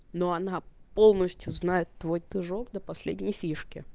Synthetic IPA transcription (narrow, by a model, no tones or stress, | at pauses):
noɐnapo̞lˠnəsʲtʲjʊznajɪt̪ːvojd̪ɨʐokd̪əpɐsʲlʲedʲnʲɪjfʲiʂkʲɪ̰